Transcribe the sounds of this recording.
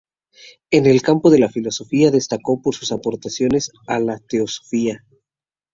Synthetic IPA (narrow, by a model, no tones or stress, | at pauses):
e̞ne̞lkampo̞ðe̞lafilo̞so̞fiaðe̞st̪ako̞po̞ɾsu̥sapo̞ɾt̪asjo̞ne̞s | alat̪e̞oso̥fia